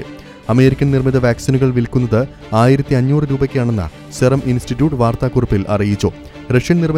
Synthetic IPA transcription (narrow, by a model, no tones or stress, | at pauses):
ɨ | ɐme̞ːɾikʲːɐnnirmiðɐʋaːksinuɣɐɭʋilkːunːɐðɨ | aːjiɾɐt̪ːiɐɲːuːrɨɾuːbɐkʲːaːɳe̞nːɐ̰ | serɐmʔinstitːjuːʈːɨʋaːrt̪aːkurɐpːilʔɐ̰rijit͡ɕːu | reʂjɐnnirmi